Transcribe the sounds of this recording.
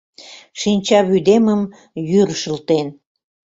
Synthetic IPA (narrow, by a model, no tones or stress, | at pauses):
ʃinʲt͡ɕɑβyd̪eməm | jyɾʃəlt̪en